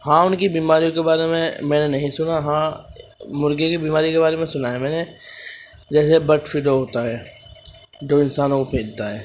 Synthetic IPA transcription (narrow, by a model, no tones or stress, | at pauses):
ɦãːʊnkibiːmaːɾijõkebaːɾemḛ̃mɛ̃ːnenɐɦĩsʊnaɦãː | mʊɾɡekibiːmaːɾikebaːɾemẽsʊnaːɦemɛ̃ːne | d͡ʒɛːs̬ebɐʈfʰɪloɦoːt̪aɦɛː | d͡ʒoːɪnsaːnõkopʰeːlt̪aɦɛː